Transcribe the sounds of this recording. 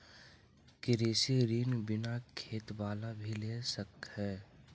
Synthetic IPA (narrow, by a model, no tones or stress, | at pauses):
kɪɾeːsiɾiːnbɪnakʰeːt̪ʋaːlabʱileːsəkɦɛː